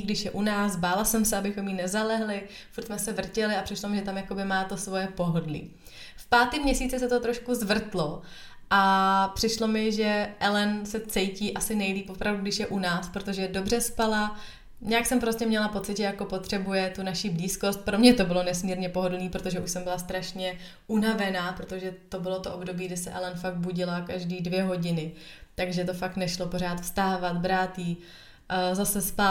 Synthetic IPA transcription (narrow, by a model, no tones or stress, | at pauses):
ɡdɪʃjɛʔunaːsbaːlasɛmsɛabɪxo̞mjinɛzalɛɦlɪ | fuɾt̪smɛsɛvr̩cɛlɪapr̥ɪʃlo̞mɪʒɛt̪amjako̞bɪmaːt̪o̞svo̞jɛpo̞ɦodlḭː | fpaːt̪imɲɛsiːt͡sɪsɛt̪ot̪ɾo̞ʃkuzvr̩t̪lo̞ | ʔapr̥ɪʃlo̞mɪʒɛʔɛlɛnsɛt͡sɛjciːʔasɪnɛjliːpʔopɾavduɡdɪʃjɛʔunaːspɾot̪o̞ʒɛdo̞br̝ɛspala | ɲaːksɛmpɾo̞scɛmɲɛlapo̞t͡sɪt̪ʒɛjako̞po̞t̪r̝̥ɛbujɛt̪unaʃibliːsko̞st̪̚pɾo̞mɲɛt̪o̞bɪlo̞nɛsmiːɾɲɛpo̞ɦodniːpɾo̞t̪oʒɛʔuʃsɛmbɪlast̪ɾaʃɲɛ | ʔunavɛnaːpɾo̞t̪o̞ʒɛt̪o̞bɪlo̞t̪oʔobdo̞biːɡdɪsɛʔɛlɛnfaɡ̚buɟɪlakaʒdiːdvjɛɦo̞ɟɪnɪt̪aɡʒɛt̪̬o̞faknɛʃlo̞po̞r̝aːt̪fst̪aːvat̪bɾaːt̪jiː | zasɛspa